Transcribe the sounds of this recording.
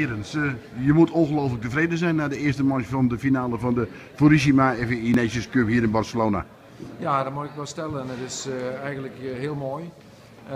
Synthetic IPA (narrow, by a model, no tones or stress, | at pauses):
ɾənsjəmutʰonxəloːflək̚təfreːdəzɛjnːadəɪəstəmɔt͡ʃfɔndəfinaːləfɔndə | foɾisimaɛfəinesjəskøphiəɾɪnbɔrsəloːna̰ | jadɔmuɪkʋɛlˠstɛlənətɪsɛjɣəntləkhiəlˠmoj